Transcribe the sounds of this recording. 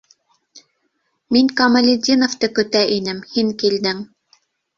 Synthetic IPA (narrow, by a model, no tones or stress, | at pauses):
miŋkɐmɐlʲɪd̪ʲinŏft̪ɤkɵ̆t̪æʔinɘmhiŋkild̪ɘŋ